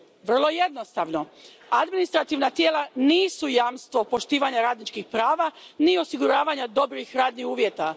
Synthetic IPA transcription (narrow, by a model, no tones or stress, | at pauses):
ʋr̩lˠo̞je̞d̪no̞st̪aʋno̞ | ad̪minist̪ɾat̪iʋnat̪jeːlˠaniːsujaːmst̪ʋo̞po̞ʃt̪iːʋaɲaɾaːd̪nit͡ʃkixpɾaːʋanio̞siɡuɾaːʋaɲad̪o̞bɾixɾaːd̪niuːʋjet̪a